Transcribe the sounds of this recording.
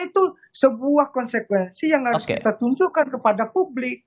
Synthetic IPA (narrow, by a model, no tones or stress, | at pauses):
it̪u | səbuahkɔnsəkwɛnsijaŋhaɾʊskit̪at̪uɲd͡ʒurkankəpadapublɪk̚